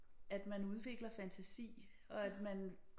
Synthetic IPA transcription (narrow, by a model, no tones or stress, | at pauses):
æd̥mænuð̞ˠʋe̝ɡ̥lɐfænt͡sʰæsḭː | ɒ̽æd̥mæn